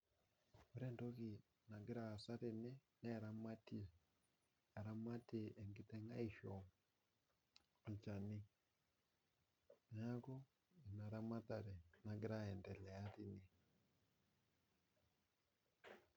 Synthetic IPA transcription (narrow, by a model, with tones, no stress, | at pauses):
o˨ɾɛ˦ndo˦ɣi˨ | na˨ɡi˦ɾa˦˨sa˦ɾe˨nɛ˦na˦˨ɾa˨ma˦ti˦˨ | a˨ɾa˦ma˦te˦˨ʔɛ˨ŋɡi˦t̪ɛ˦ŋa˦i˦˨ʃɔ˨ | a˨t͡ʃa˨ni˦ | na˦ɣɔ˦ | i˨na˨ɾa˦ma˦ta˨ɾɛ˨na˨ɡi˦ɾa˦ɛ˨ndɛ˨lɛ˨a˦ɾi˨ni˦